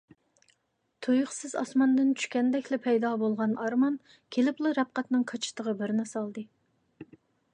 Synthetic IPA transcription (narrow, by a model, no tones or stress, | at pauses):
t̪ʰojʊχsɨzɑ̰smɑnd̪ɨnt͡ʃʰy̥ʃkʲɛnd̪ɛkʲlɪpʰɛjd̪ɑbolˠʁɑnɑɾmɑn | kʲʰelɪplˠɨɾɛp̚qɑt̪nɨŋqʰɑt͡ʃʰɪ̥t̪ʰəʁəbɪɾnɪsɑlˠd̪ɨ